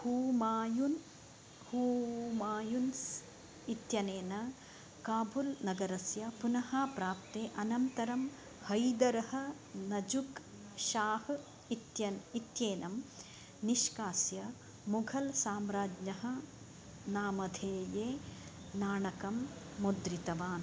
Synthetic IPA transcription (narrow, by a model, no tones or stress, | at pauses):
huːmaːjun | huːmaːjuns | it̪jɐneːnɐ | kaːbʱulnɐɡɐɾɐsjɐpunɐɦaːpɾaːp̚t̪eːʔɐnɐnt̪ɐɾɐm | hɐjd̪ɐɾɐhɐ̆ | nɐd͡ʒuk | ʃaːh | it̪jɐit̪jeːnɐm | niʃkaːsjɐ | muɡʱɐlsaːmɾaːd͡ʒɲɐɦɐ̆ | naːmɐd̪ʱeːjeː | naːɳɐkɐmː | ud̪ɾit̪ɐʋaːn